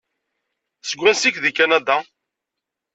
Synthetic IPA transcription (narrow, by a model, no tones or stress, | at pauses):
səɡʷːænsikðikːænæd̪a